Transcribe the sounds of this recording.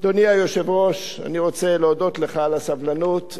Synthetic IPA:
d̪oniajoʃe̞vʁo̞ʃ | a̰niʁo̞t͡se̞leodo̞t̪le̞χalasavlanut̪

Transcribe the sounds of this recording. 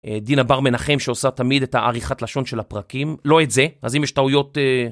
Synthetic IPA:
ed̪inabaʁme̞naχe̞mʃeosatamid̪ethaʔaʁiχatlaʃo̞nʃe̞lapʁakimlo̞etze̞azimjɛʃtaujo̞te

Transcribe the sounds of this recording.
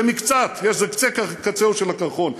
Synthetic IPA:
mikt͡sat̪jeʃzekt͡sekakat͡seuʃelakaχon

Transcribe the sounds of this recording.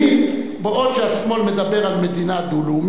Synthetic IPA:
beʔod̪ʃeasmo̞lme̞d̪abe̞ʁalme̞d̪inad̪ulum

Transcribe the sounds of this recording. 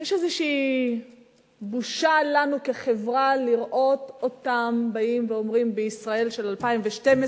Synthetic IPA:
jeʃezeʃiː | buʃalanukeχevʁaliʁʔo̞to̞tambaimveo̞mʁimbeisʁae̞lʃe̞lalpaimveʃteme

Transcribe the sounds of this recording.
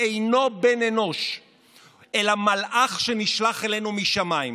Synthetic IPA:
ejno̞beneno̞ʃ | e̞lamalʔaχʃe̞niʃlaχe̞le̞numiʃamaim

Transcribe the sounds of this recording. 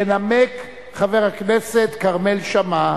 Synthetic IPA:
enamek | χaveʁhakneset̪kaʁmelʃama

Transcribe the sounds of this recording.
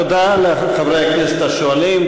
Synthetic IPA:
od̪ale | χavʁejaknese̥t̪aʃoalim

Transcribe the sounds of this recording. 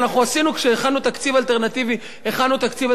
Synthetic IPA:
naχuasinukʃeeχanut̪akt͡sivalt̪e̞ʁnat̪ivi | eχanːut̪akt͡siva

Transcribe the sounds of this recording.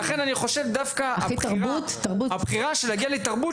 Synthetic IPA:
aχe̞naniχo̞ʃe̞vd̪afkaait̪aʁbut̪ːaʁbuabχiʁaʃelaɡialet̪aʁbu

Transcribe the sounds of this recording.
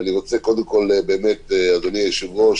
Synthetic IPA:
niʁot͡seko̞d̪emko̞lebeːmet̪ead̪oniajeʃivo

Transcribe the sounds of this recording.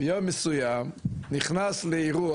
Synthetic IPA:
jɔmːəsujamnɪχnaslɪiʁu

